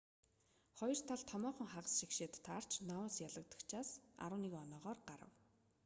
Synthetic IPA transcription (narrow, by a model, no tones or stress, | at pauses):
χɔj̆r̥t̪ʰaɮt̪ʰɔmɔːχɞ̆ŋχaʁə̆sʃikʃeːt̪ːʰar̥t͡ɕʰnaʊːsjaɮə̆k̚t̪ə̆kt͡ɕʰaːsa̰ɾə̆ːnikɔnɔːʁɔːrɢaɾə̰̆w